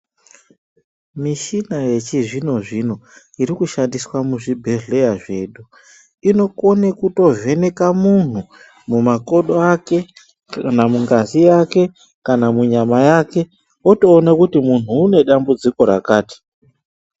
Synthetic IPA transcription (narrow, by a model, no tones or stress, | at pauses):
miʃinaje̞t͡ʃiʐino̞ʐino̞ | iɾikuʃandiswamuʐibʱe̞ɮe̞jaʐe̞ɗu | ino̞konekuto̞ve̞ne̞kamun̤u | mumako̞ɗoake̞ | kanamuŋɡazijake̞ | kanamuɲamajake̞ | oto̞ːnakutimun̤uːne̞ɗambud͡ziko̞ɾa̰kaːti̥